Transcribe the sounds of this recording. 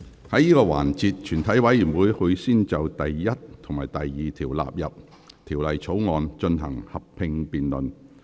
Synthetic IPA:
hɐ˨˥jːiː˥kɔː˧wa̰ː˨˩nt͡siː˧t̚t͡ʃʰyː˨˩nt̪ʰɐ˨˥jwɐ˨˥jiː˨˩nwuː˨˥jhɵ˧ɥsiː˥nt͡sɐ˨wt̪ɐ˨jːɐ˥t̚t̪ʰo˨˩ŋmaː˨˩jt̪ɐ˨jːiː˨t̪ʰiː˨˩wla̰ː˨p̚jɐ˨p̚ | t̪ʰiː˨˩wlɐ˨jt͡sʰo˨˥wŋɔː˨˧nt͡ʃɵ˧nɦɐ̰˨˩ŋhɐ˨p̚pʰɪ˧ŋpiː˨nlɵ˨n

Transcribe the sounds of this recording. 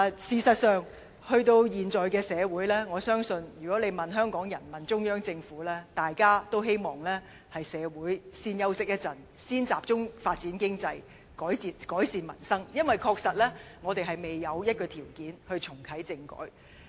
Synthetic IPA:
siː˨sɐ˨t̚sœː˨ŋ | hɵ˧ɥt̪o˧wjiː˨nt͡sɔː˨jkɛː˧sɛː˨˧wuː˨˥jlɛː˥ŋɔː˨˧sœː˥ŋsɵ˧njyː˨˩kɔ˨˥le˨˧jmɐ˨nɦœː˥ŋkɔː˨˥ŋjɐ˨˩nmɐ˨nt͡sʊ˥ŋjœː˥ŋt͡sɪ˧ŋfuː˨˥lɛː˥t̪aː˨jkaː˥t̪o˥wɦe˥jmɔː˨˩ŋlɛː˥ | hɐ˨jsɛː˨˧wuː˨˥jsiː˧njɐ˥wsɪ˥k̚jɐ˥t̚t͡sɐ˨˩n | siː˥nt͡saː˨p̚t͡sʊ˥ŋfaː˧t̚t͡siː˨˥nkɪ˥ŋt͡sɐ˧j | kɔː˨˥jt͡siː˨˧kɔː˨˥jsiː˨nmɐ̰˨˩nsɐ˥ŋjɐ˥nwɐ˨jkʰɔː˧k̚sɐ˨t̚lɛː˥ŋɔː˨˧t̪e˨˩jɦɐ˨jme˨jːɐ˨˧wjɐ˥t̚kɔː˧t̪ʰiː˨˩wkiː˨˥nhɵ˧ɥt͡sʰʊ˨˩ŋk̪ʰɐ˨˥jt͡sɪ˧ŋkɔ̰ː˨˥j

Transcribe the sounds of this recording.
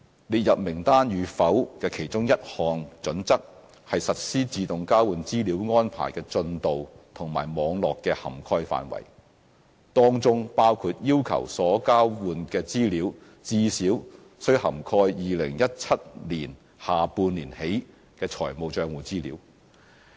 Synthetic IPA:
liː˨t̚jɐ˨p̚mɪ˨˩ŋt̪aː˥njyː˨˧fɐ˨˥wkɛː˧kʰe˨˩jt͡sʊ˥ŋjɐ˥t̚hɔː˨ŋt͡sɵ˨˥nt͡sɐ˥k̚ | hɐ˨jsɐ˨t̚siː˥t͡siː˧t̪ʊ˨ŋkaː˥wuː˨˧nt͡siː˥liː˨˥wŋɔː˥npʰa̰ː˨˩jkɛː˧t͡sɵ˧nt̪o˨wt̪ʰʊ˨˩ŋmaː˨˩jmɔː˨˧˥ŋlɔː˨kːɛː˧hɐ̰˨˩mkʰɔː˧jfa̰ː˨nwɐ̰˨˩j | t̪ɔː˥ŋt͡sʊ˥ŋpaː˥wkʰuː˧t̚jiː˥wkʰɐ̰˨˩wsɔː˨˥kaː˥wwuː˧nkɛː˧t͡siː˥liː˨˥w | t͡siː˧˥siː˨˥w | sɵ˥ɥhɐ˨˩mkʰɔː˧jjiː˨lɪ̰˨˩ŋjɐ˥t̚t͡sʰɐ˥t̚liː˨˩n | haː˨puː˧nliː˨˩nhe˨˥j | kɛː˧t͡sʰɔ̰ː˨˩jmo˨wt͡ʃœː˧ŋwuː˨t͡siː˥liː˨˥w

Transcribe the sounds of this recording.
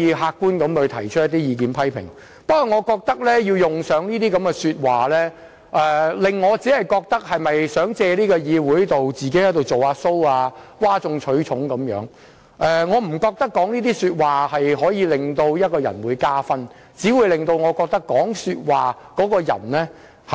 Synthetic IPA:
jiː˨˧ɦaː˧kːuː˥nkɐ˨˥mʰɵ˧t̪ʰɐ˨˩jt͡ʃʰɵ˥t̚jɐ˥t̪i˥jiː˨˧kiː˨˥npʰɐ˥jpʰɪ̰˨˩ŋ | pɐ˥kɔ˨˩ŋɔː˨˧kɔː˧k̚t̪ɐ˥k̚lɛː˥jiː˧wjʊ˨ŋsœː˨˥ŋniː˥t̪iː˥kɐ˨˥mɡɛ˧syː˧t̚waː˨lɛː˥ | ʔɛː˨˧lɪ˨ŋːɔː˨˧t͡siː˨˥hɐ˨˩jkɔː˧k̚t̪ɐ˥k̚hɐ˨jmɐ˨jsœː˨˥ŋt͡sɛː˧liː˥kɔː˧jiː˨˧wuː˨˥jt̪o˨wt͡siː˨ke˨˥hɐ˨˥jt̪o˨wt͡so˨waː˧so˥waː˧waː˥t͡sʊ˧ŋt͡ʃʰɵ˨˥t͡ʃʰʊ˨˥ŋkɐ˨˧˥mjœ̰ː˨˥ŋ | ʔɛː˨˧ŋɔː˨˧m̩˨˩kɔː˧k̚t̪ɐ˥kːɔː˨˥ŋniː˥t̪iː˥syː˧t̚waː˨˩hɐ˨jɦɔː˨˥jiː˨˧lɪ˨˩ŋt̪o˧wjɐ˥t̚kɔː˧jɐ̰˨˩nwuː˨˧jkaː˥fɐ˥n | t͡siː˨˥wuː˨˧jlɪ˨ŋt̪o˧wŋɔ˨˧kɔː˧k̚t̪ɐ˥kːɔː˨˥ŋsyː˧t̚waː˨˩ | kɔː˨˥kɔː˧jɐ̰˨˩nlɛː˥ | hɐ˨

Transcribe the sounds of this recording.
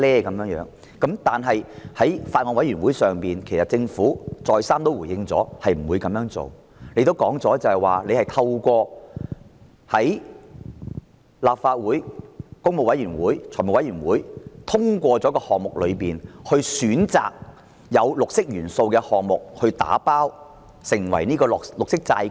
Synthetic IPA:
lɛː˥kɐ˨˧mjœː˧˥ŋjœː˨˥ŋ | kɐ˨˥mt̪aː˨nɦɐ˨jhɐ˨˥jfaː˧t̚ŋɔː˧nwɐ˨˥jy˨˩nwu˨˥jsœː˨ŋpiː˨nkʰe˨˩jsɐ˨t̚t͡sɪ˧ŋfuː˨˥t͡sɔː˨jsaː˥mt̪o˥wuː˨˩jɪ˧ŋt͡sɔ̰ː˨˥hɐ˨jm̩˨˩wuː˨˧jkɐ˨˧mjœː˨˧˥ŋt͡so̰˨w | ne˨˧jt̪o˥wkɔː˨˥ŋt͡sɔː˨˥t͡sɐ˨˧hɐ˨jwaː˨˩le˨˧jhɐ˨jt̪ʰɐ˧wkʷɔː˧ | hɐ˨˥j | laː˨p̚faː˧t̚wuː˨˥jkʊ˥ŋmo˨˧wɐ˨˥jyː˨˩nwuː˨˥jt͡ʃʰɔː˨˩mʊ˨kwjyː˨˩nwuː˨˥jt̪ʰʊ˥ŋkʷɔː˧t͡sɔː˨˥kɔː˧hɔː˨ŋ̚mʊ˨k̚lɵ˨˧ɥpiː˨nhɵ˧ɥsyː˨˥nt͡sa̰ː˨k̚ | jɐ˨˧wlʊ˨k̚sɪ˥k̚jyː˨˩nso˧wkɛː˧hɔː˨ŋ̚mʊ˨k̚hɵ˧ɥt̪a̰ː˨˥paː˥w | sɪ˨˩ŋwɐ̰˨˩jniː˥kɔː˧lʊ˨k̚sɪ˥k̚t͡sa̰˧j

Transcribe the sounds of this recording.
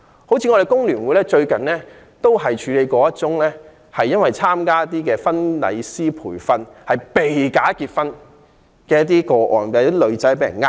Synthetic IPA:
ho˨˥wt͡sʰi˧ŋɔ˧ɾe˨jkʊ˥ŋlyː˨˩nwu˨˧jlɛː˥t͡ʃɵ˧ɥkɐ˨nlɛː˥ | t̪o˥wɦɐ˨jt͡ʃʰyː˨˧le˨˧jkɔː˨˧˥jɐ˥t͡sʊ˥ŋlɛː˥ | hɐ˨jːɐ˥nwɐ˨jt͡sʰaː˥mkaː˥ɐ˥t̪̬iː˥kɛː˧fɐ˥nlɐ̰˨˧jsiː˥pʰuː˨˩jfɐ˧nhɐ˨jpe˨jkaː˨˥kiː˧t̚fɐ˥n | kɛː˧jɐ˥t̪iː˥kɔː˧ʔɔ̰ː˨npe˧˥t̪ːiː˥lɵ˨˧ɥt͡sɐ˨˥jp̬e˨˥jɐ̰˨˩ŋaː˥

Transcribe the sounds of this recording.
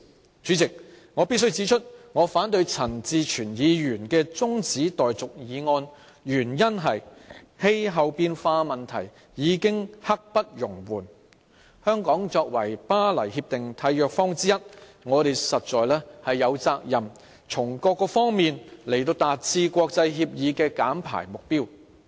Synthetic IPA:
t͡syː˨˥t͡sɪ˨k̚ | ŋɔː˨˧pi˥t̚s̬ɵ˥ɥt͡siː˨˥t͡ʃʰɵ˥t̚ŋɔː˨˧faː˨˥nt̪ɵ˧ɥt͡sʰɐ˨˩nt͡siː˧t͡ʃʰyː˨˩njiː˨˧jyː˨˩nkɛː˧t͡sʊ˥ŋt͡siː˨˥t̪ɔː˨jt͡sʊ˨k̚jiː˨˧ŋɔː˧n | jyː˨˩njɐ˥nɦɐ˨j | he˥jɦɐ˨˧wpiː˧nfaː˧mɐ˨nt̪ʰɐ˨˩j | jiː˨˧kɪ˥ŋhɐ˥k̚pɐ˥t̚jʊ˨˩ŋwuː˨˩n | hœː˥ŋkɔː˨˥ŋt͡sɔː˧k̚wɐ˨˩jpaː˥lɐ˨˩jhiː˧p̚t̪ɪ˨ŋt̪ʰɐ˨˧˥jːœː˨k̚fɔː˥ŋt͡siː˥jɐ˥t̚ŋɔː˨˧ɾe˨jsɐ˨t̚t͡sɔː˨jlɛː˥hɐ˨jːɐ˨˧wt͡saː˧k̚jɐ˨˩m | t͡sʰʊ˨˩ŋkɔː˧kːɔː˧fɔː˥ŋmiː˨nle˨˩jt̪̬o˧wt̪aː˨t̚t͡sʰiː˧kʷwɔː˧k̚t͡sɐ˧jɦiː˧p̚jiː˨˧kɛː˧ka̰ː˨˥mpʰa̰ː˨˩jmʊ˨k̚piː˥w

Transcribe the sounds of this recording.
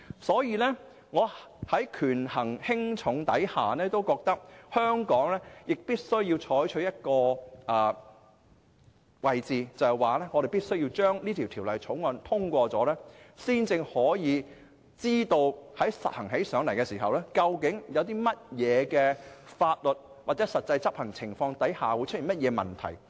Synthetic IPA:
sɔː˨˥jiː˨˧lɛː˥ | ŋɔː˨˧hɐ˨˥jkʰyː˨˩nhɐ˨˩ŋhɪ˥ŋt͡ʃʰʊ˨˧˥ŋt̪ɐ̰˨˥jhaː˨nɛː˥t̪o˥wkɔː˧k̚t̪ɐ˥k̚hœː˥ŋkɔː˨˥ŋlɛː˥jɪ˨k̚piː˥t̚sɵ˥ɥjiː˧wt͡ʃʰɔː˨˥jt͡ʃʰɵ˨˧˥jɐ˥t̚kɔː˧ʔɐː˨˩ | wɐ˨jt͡siː˨t͡sɐ˨waː˨lɛː˥ŋɔ˨˧ɾe˨jpiː˥t̚sɵ˥ɥji˧t͡ʃœː˥ŋniː˥t̪ʰiː˨˩wt̪ʰiː˨˩wlɐ˨jt͡sʰʊ˨˥ŋwɐ˨˧nt̪ʰʊ˥ŋkʷɔː˧t͡sɔː˨˥lɛː˥siː˥nt͡sɪ˧ŋhɔː˨˥jiː˨˧ | t͡siː˥t̪o˧whɐ˨˥jsɐ̰˨t̚hɐ˨˩ŋɦe˨˥jsœː˨˥ŋlɐ˨˩jkɛ˧siː˨˩ɦɐ˨wlɛː˥kɐ˧wkɪ˨˥ŋjɐ˨˧wt̪iː˥mɐ˥t̚jɛː˨˧kɛː˧faː˧t̚lɵ˨t̚ | waː˨˩t͡sɛː˨˥sɐ˨t̚t͡sɐ˧jt͡sɐ˥p̚hɐ˨˩ŋt͡sʰɪ˨˩ŋfɔː˧ŋt̪ɐ˨˥jhaː˨wu˨˧jt͡ʃ̚ʰiː˨˩mɐ˥t̚jɛː˨˧mɐ˨nt̪ʰɐ̰˨˩j

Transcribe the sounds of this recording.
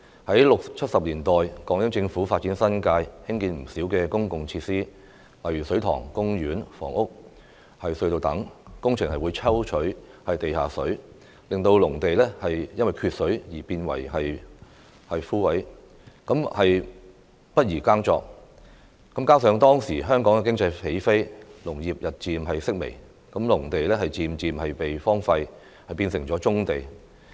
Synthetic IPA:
hɐ˨˥jlʊ˨k̚t͡ʃʰɐ˥t̚sɐ˨p̚liː˨˩nt̪ɔː˨jkɔː˨˧˥ŋjɪ˥ŋt͡sɪ˧ŋfuː˨˥faː˧t̚t͡si˨˥nsɐ˥nkaː˧jhɪ˥ŋkiː˧nm̩˨˩siː˨˥wkɛː˧kʊ˥ŋkʊ˨ŋt͡sʰiː˧t̚siː˥ | lɐ˨˩jɥy˨˩sɵ˨˥ɥt̪ʰɔ̰ː˨˩ŋkʊ˥ŋjyː˨˥nfɔ̰ː˨˩ŋʊ˥k̚ | hɐ˨jsɵ˧ɥt̪o˨˧wt̪ɐ˨˥ŋkʊ˥ŋt͡ʃʰɪ˨˩ŋhɐ˨jwu˨˧jt͡sʰɐ˥wt͡ʃʰɵ˨˥ɥ | hɐ˨jt̪e˨jhaː˨sɵ˨˥ɥ | lɪ˨ŋt̪o˧wlʊ˨˩ŋt̪e˨jlɛː˥hɐ˨jjɐ˥nwɐ˨jkʰyː˧t̚sɵ˨˥ɥjiː˨˩piː˧nwɐ̰˨˩jɦɐ˨j | hɐ˨jfuː˥wɐ˨˥j | kɐ˨˥mhɐ˨j | pɐ˥t̚jiː˨˩kaː˥ŋt͡sɔ̰ː˧k̚ | kɐ˨˥mkaː˥sœː˨˧ŋt̪ɔː˥ŋsiː˨˩ɦœː˥ŋkɔː˨˥ŋkɛ˨kɪ˥ŋt͡sɐ˧jhe˨˥jfe˥jlʊ˨˩ŋjiː˨p̚jɐ˨t̚t͡siː˨mɦɐ˨jsɪ˥k̚mḛ˨˩j | kɐ˨˥mlʊ˨˩ŋt̪e˨jlɛː˥ɦɐ˨jt͡siː˨˧mt͡siː˨mɦɐ˨jpe˨jfɔː˥ŋfɐ˧j | hɐ˨jpiː˧nsɪ˨˩ŋt͡sɔː˨˧˥t͡sʊ˥ŋt̪e˨˩j

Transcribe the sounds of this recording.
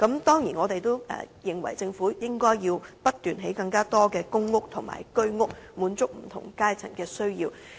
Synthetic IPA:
kɐ˨˥mt̪ɔː˥ŋjiː˨˩nŋɔː˨˧t̪e˨jt̪o˥wɛ̰˨jɪ˨˩ŋwɐ̰˨˩jt͡sɪ˧ŋfuː˨˥jɪ˥ŋkɔː˥jjiː˧wpɐ˥t̚t̪yː˨˩nɦe˨˥jkɐ˧ŋkaː˥t̪ɔː˥kɛː˧kʊ˥ŋːʊ˥k̚t̪ʰʊ˨˩ŋma̰ː˨˩jkɵ˥ɥŋʊ˥k̚muː˨˥nt͡sʊ˥k̚m̩˨˩t̪ʰʊ̰˨˩ŋkaː˥jt͡sʰɐ˨˩ŋkɛː˧sɵ˥ɥjiː˧w

